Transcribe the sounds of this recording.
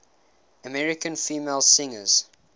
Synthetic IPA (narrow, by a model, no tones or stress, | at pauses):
əmɛɹɪkə̃nfiːmelˠsɪ̃ŋə̰z̥